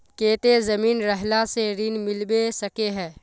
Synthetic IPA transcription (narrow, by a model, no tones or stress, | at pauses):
keːt̪ezɐmiːnɾɛɦlaseɾinmɪlbesɐkeɦɛ̃ː